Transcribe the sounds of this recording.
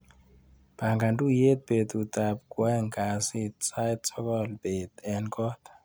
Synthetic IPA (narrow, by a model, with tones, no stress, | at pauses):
b̥ʱa˨ŋɡa˨ntʼu˦je˦t̚be˨t̪u˨tʼa˨p̚kwɛ˦ŋɡa˨si˦t͡sa˦jtt͡sʰɔ˦kɔ˦lb̥e˨t̪ɛ˨nkʰʼɔ˦t̪